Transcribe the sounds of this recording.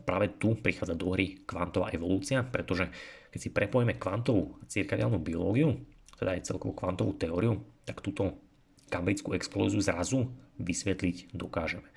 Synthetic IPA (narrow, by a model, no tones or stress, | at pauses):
pɾaːʋɛt̪upɾixaːd͡zad̪ɔɦɾʔikʋant̪ɔʋa̰ːʔɛʋɔluːt͡siapɾɛt̪ɔʒɛkɛcsipɾɛpɔjɛmɛkʋant̪ɔʋut͡siɾkɛʋɪalnubiɔlɔːɡiut̪ɛd̪aːjt͡sɛ̰lkɔʋɔkʋant̪ɔʋut̪ɛɔːɾiut̪akt̪uːt̪ɔ | kambɾit͡skuɛksplɔ̰ːziuzɾazuʋisʋɛt̪liɟd̪ɔkaːʒɛmɛ